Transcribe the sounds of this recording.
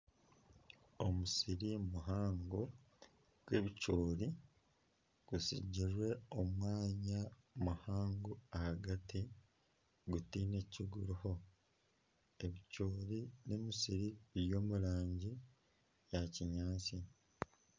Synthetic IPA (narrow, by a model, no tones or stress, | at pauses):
omusiɾimuɦaːŋɡo | ɡ̥we̞βicoːli | ɡ̥usḭɟːiɾwe̞omwaːɲamuhaːŋɡuahaɡati | ɡutiːne̞ciɡuɾuho̞ | eβicoːɾinemisiɾijo̞ːmuɾaːɲɟi | jaciɲaːsi